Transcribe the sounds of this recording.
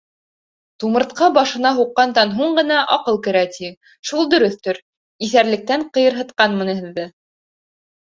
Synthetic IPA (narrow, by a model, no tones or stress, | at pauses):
t̪umɤ̆ɾt̪qɑbɑʃɤ̆nɑɦuqːɑnd̪ɑnɦuɴɢɤ̆nɑʔɑqɤlˠkɘ̆ɾæt̪i | ʃulˠd̪ɵ̆ɾɵθt̪ɵɾ | iθæɾlɘ̆k̚t̪æɴqɤ̆jɤ̆ɾɦɤ̆t̪̚qɑnmɤ̆nɤ̆ɦɘ̆ðːɘ